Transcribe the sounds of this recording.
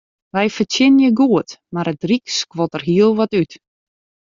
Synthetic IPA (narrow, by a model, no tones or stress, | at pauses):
ʋɛjfətɪnənjəɡuətmaɾət̚drikskʋɔtərɦiəlˠʋɔtyt